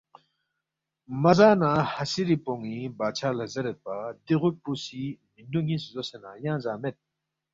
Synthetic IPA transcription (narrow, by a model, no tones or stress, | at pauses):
məzanahasiɾipoŋːibat͡ɕʰalazəɾət̪̚pad̪eʁoposimindoŋiszosenajaŋzamet̪̚